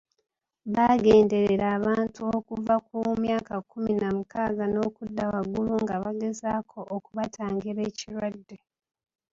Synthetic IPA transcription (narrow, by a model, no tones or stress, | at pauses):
βaːɡe̞ːnde̞ɾeɾaːβaːntuokuvakumjaːkakuminamukaːɡano̞ːkudːawaɡuluŋɡaβaɡe̞zaːkʰo̞ʔːkuβatʰaːŋɡiɾe̞ːciɾwadːe̞